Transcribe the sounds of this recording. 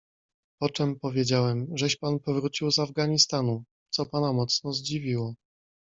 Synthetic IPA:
pɔt͡ʂɛmpɔvʲjed͡ʑawɛmʐɛɕpanpɔvɾut͡ɕiwzavɡaɲist̪anu | t̪sɔpanamɔt̪snɔzd͡ʑivʲiwɔ

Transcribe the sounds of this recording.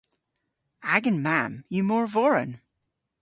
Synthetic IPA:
æɡɨ̃nmæ̃mjɨmɔɹvɔɹɨ̰̃n

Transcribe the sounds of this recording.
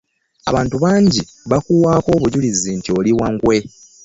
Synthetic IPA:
a̰βaːntuβaːɲɟi | βakuwaːko̞ːβuɟulizintio̞liwaŋɡwe̞

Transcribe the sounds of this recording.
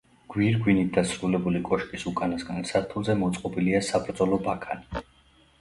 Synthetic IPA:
ɡ̥wiɾɡwinit̪̚d̪asɾulɛbulikʼɔʃkʼisukʼanasɡansaɾt̪ʰulˠzɛmɔt̪sʼqʼɔbiliasabɾd̪zɔlɔbakʰani

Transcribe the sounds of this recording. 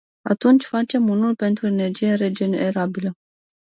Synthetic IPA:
at̪unt͡ʃʲfat͡ʃe̞munulpe̞nt̪ɾue̞ne̞rd͡ʒijeɾe̞d͡ʒeneɾabilə

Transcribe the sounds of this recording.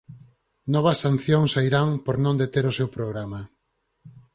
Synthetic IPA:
nɔβ̞ɐsːan̟θjoŋsaiɾaŋpoɾnõnd̪et̪eɾʊsewpɾoɣ̞ɾama

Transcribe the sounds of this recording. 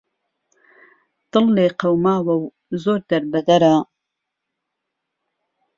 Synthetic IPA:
t̪ɨlːeqɐwmaːwɐw | zoːɾd̪ɐɾbɐd̪ɐɾa

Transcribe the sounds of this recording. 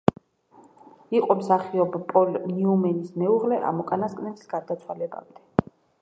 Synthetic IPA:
iqʼɔmsaχiɔbapʼɔlniumɛnismɛuʁlɛʔa̰mɔkʼanaskʼnɛli̥sɡ̥ad̪at̪sʰwalɛba̰md̪ɛ

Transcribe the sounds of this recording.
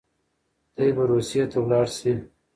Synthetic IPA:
d̪̥ajbaɾusijet̪ʰawlɑɽsi

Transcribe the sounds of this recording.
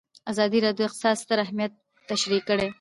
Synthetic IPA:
azɑd̪iɾɑd̪joɪqt̪ɪ̥sɑd̪st̪əɾaɦmijat̪ː | aʃɾikːəɽe

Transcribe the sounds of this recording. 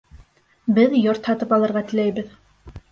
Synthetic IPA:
bɘðjoɾt̪hɑt̪ɤpɑlˠɤ̆ɾʁɑt̪ɘ̆læjbɘð

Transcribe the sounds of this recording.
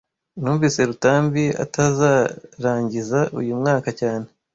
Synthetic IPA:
nuːɱviːse̞ɾutaːmbia̰tazaɾaːɲɟizaʔṵjumŋaːkacaːne

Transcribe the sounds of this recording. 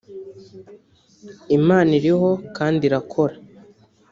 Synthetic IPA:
imaːniɾiɦo̞kaːndiɾakʰo̞ɾa

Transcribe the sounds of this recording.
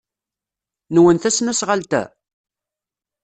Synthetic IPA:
nwənθæsnæsʁalt̪æ̰

